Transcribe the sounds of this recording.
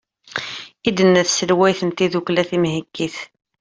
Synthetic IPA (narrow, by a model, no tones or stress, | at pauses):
id̪ənːæθsəlwæjθənt̪iðuklæθimhikːiθ